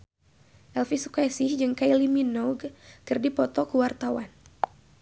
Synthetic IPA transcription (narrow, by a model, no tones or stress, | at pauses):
ʔɛlfisu̥kajsɪhd͡ʒɨŋkajliminɔɡkɨrdipɔt̪ɔkuwart̪awan